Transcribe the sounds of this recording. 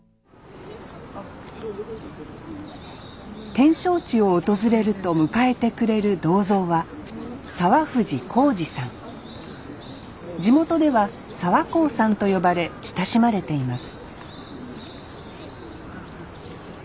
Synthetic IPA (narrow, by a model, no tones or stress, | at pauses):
t̪ẽ̞ɰ̃ɕo̞ːt͡ɕio̞ːt̪o̞zɨɾe̞ɾɯ̟t̪o̞mɯ̟kae̞t̪e̞kɯ̟ɾe̞ɾɯ̟d̪o̞ːzo̞ːβa | saβaɸɯ̟ʑikʰo̞ːd͡ʑisãŋ | d͡ʑimo̞t̪o̞d̪e̞βa | saβako̞ːsãnt̪o̞jo̞baɾe̞çi̥t̪aɕimaɾe̞t̪e̞imasɨ̥